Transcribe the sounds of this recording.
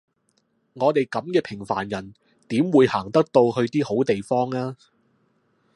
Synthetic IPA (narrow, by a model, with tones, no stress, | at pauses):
ŋɔː˨˧t̪e˨jkɐ˨˥mkɛː˧pʰɪ˨˩ŋfaː˨˩njɐ˨˩n | t̪iː˨˥mwuː˨˧jhaː˨˩ŋt̪ɐ˥k̚t̪o˧whɵ˧ɥt̪iː˥ho˨˥wt̪e˨jfɔː˥ŋaː˥